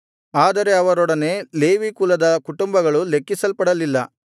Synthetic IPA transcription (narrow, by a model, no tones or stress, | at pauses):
aːd̪ɐɾe̞ɐʋɐɾɔɽɐne̞le̞ːʋikuːlɐd̪ɐkuʈumbɐɡɐɭulekːisɐlpɐɽɐlilːɐ